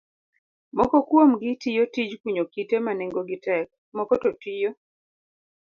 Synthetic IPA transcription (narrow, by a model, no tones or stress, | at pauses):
mɔkɔkwomɡɪtijotid͡ʒkwiɲokitemaneŋɡoɡɪtɛk̚ | mɔkɔtɔtijo